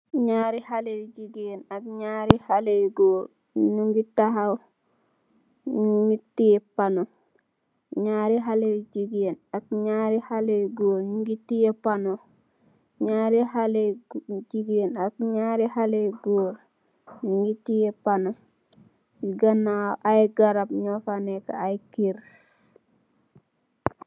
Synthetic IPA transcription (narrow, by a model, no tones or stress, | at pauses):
ɲaɾihalejd͡ʒiɡenakɲaːɾihalejɡoːɾ | nuŋɡitaɦaw | ɲŋɡitijɛpano | ɲaːɾiɦalejd͡ʒiɡienakɲaːɾihalejɡoːɾɲuŋɡitijɛpano | ɲaːɾiɦaled͡ʒiɡjenak̚ɲaɾihalejɡoːɾ | ɲiŋɡitijɛpano | iɡanːaʔajɡaɾabɲɔfanɛka̰ajkiɾ